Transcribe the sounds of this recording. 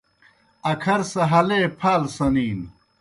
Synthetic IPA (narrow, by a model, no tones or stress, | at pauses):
ɐkʰɐɾsɐɦɐleːpʰaːlsɐniːn